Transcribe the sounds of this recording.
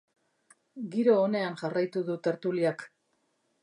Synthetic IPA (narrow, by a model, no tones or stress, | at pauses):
ɡiɾo̞ːne̞anʝarajt̪uðut̪e̞ɾt̪uliak